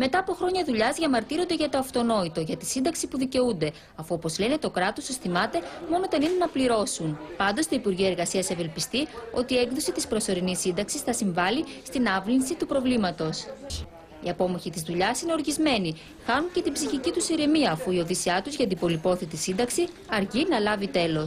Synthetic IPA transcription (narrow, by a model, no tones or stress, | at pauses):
me̞t̪ɐːpo̞xɾo̞ɲɐðuʎɐzʝɐmɐɾt̪iɾo̞nd̪e̞ʝɐt̪o̞ɐft̪o̞no̞it̪o̞ʝɐt̪i̥sind̪ɐksipuðice̞und̪e̞ | ɐfuo̞po̞zle̞ne̞t̪o̞kɾɐt̪o̞sesθimɐt̪e̞mo̞not̪eninenɐpliɾo̞sunpɐnd̪o̞st̪oipuɾʝiɐe̞ɾɣɐsiɐseve̞lpist̪io̞t̪iːe̞ŋɡðo̞sit̪ispɾo̞so̞ɾinisːind̪ɐksisθɐsiɱvɐlist̪inɐvlinsit̪upɾo̞vlimɐt̪o̞s | iɐpo̞moçit̪izðuʎɐsine̞o̞ɾʝizme̞ni | xɐnunce̞t̪ibziçicit̪usiɾemiɐːfuio̞ðisiɐt̪uzʝɐd̪ibo̞lipo̞θit̪isind̪ɐksi | ɐɾʝinɐlɐvit̪e̞lo̞s